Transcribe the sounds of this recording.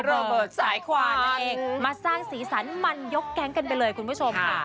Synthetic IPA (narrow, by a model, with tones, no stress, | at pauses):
ɾəː˧bɤː˨˩t̪̚saː˩˦jkʰwaː˧˦˧ʔeː˧ŋŋmaː˧saː˥˩ŋsiː˩˦saː˩˦nma˧njo˦˥kːɛ˦˥ŋka˧npa˧jlɤː˧jkʰu˧nmbuː˦˥˩t͡ɕʰo˧m